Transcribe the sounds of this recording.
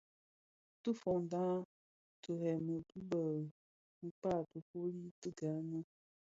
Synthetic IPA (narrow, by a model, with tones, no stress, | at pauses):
tɨ˦fɔ˨ŋdã˦ | tə˨ɾɛ˨mə˨bu˦bə˨ | ŋ̩˦k͡pa˦˨tə˨fo˦li˦tɨ˦ɡa˨˦nə˦